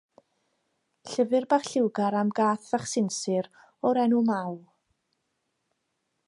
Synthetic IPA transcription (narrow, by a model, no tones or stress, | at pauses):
ɬəvɨrbaχɬɪwɡaɾamɡaːθv̥aχsɪnsɨɾ | ɔɾɛnumaw